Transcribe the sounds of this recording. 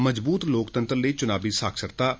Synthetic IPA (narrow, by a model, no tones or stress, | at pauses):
məd͡ʒbuːt̪loːkt̪ənt̪ɾləiːt͡ʃʊnaːbiːsaːkʰsəɾt̪aː